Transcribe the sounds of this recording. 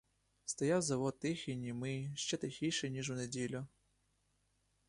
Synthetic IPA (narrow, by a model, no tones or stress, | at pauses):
st̪ɔjawzɐʋɔt̪̚t̪ɪxinʲimɪʃt͡ʃɛt̪ɪxʲijʃɛnʲiʒʊnedʲilʲʊ